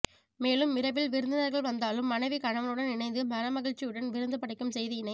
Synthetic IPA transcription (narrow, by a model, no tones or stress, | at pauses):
meːlɯmːɪɾɐʋɪlʋɪɾɯnd̪ɯnɐɾɣɐɭʋɐnd̪aːlɯmːɐnɐɪʋikɐɳɐʋɐlɯɽɐnɪnɐɪnd̪ɯmɐɾɐmɐɣɪɻt͡ʃːɪjɯɽɐnʋɪɾɯnd̪ɯpɐɽɪkːɯmsɛjðɯɪnɐɪ